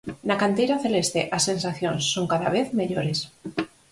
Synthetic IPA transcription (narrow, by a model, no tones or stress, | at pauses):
nakant̪ejɾaθelest̪eʔasːe̞nsaθjonsːoŋkaða̰β̞eθmeʎoɾes